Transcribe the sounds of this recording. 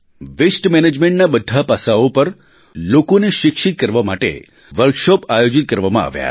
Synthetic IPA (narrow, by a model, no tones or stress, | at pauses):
ʋesʈmɛned͡ʒmẽɳʈ̚nabəd̪ʱːapasaopəɾ | lokoneʃɪkʃit̪̚kəɾʋamaʈḛ | ʋəɾkʃɔpajod͡ʒit̪̚kəɾʋamãa̰ʋja̰